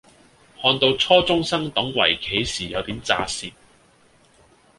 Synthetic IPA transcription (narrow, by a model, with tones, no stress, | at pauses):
hɔː˧nt̪o˧wt͡sʰɔː˥t͡sʊ˥ŋsɐ˥ŋt̪ʊ˨˥ŋwɐ̰˨˩jkʰe˨˥jsiː˨˩jɐ˨˧wt̪iː˨˥mt͡sa̰ː˧siː˨t̚